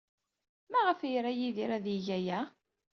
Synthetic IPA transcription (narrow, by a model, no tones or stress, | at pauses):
mæʁəfjɾæjiðiɾæðiʝæjæ